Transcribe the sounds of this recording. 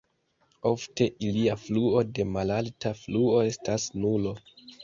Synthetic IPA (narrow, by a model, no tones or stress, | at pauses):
o̞fte̞ʔiliafluo̞de̞malaltafluo̞e̞stasnulo